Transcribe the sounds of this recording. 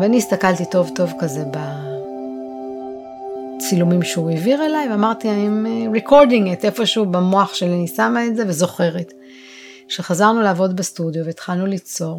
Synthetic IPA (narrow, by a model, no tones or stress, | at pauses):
veaniːst̪akaltito̞vto̞vkaze̞ba | t͡silumimʃeueviʁe̞lajveamaʁt̪iaimeʁekʰo̞ʁdiŋete̞fo̞ʃubemo̞aχʃelanisamaeze̞vezo̞χe̞ʁet | ʃeχazaʁnulaːvo̞dbestudjoveit̪χalnulit͡so̞ʁ